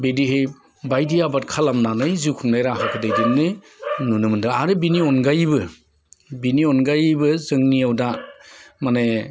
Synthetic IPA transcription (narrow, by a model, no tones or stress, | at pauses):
bediɦej | bajdiabat̚kʰalamnanɯjzukʰuŋnajɾaɦʰakʰɯdajdinnɯ | nunɯmɯndɯaɾɯbiniɔnɡajbɯ | biniɔnɡajbɯzɯŋniawda | mane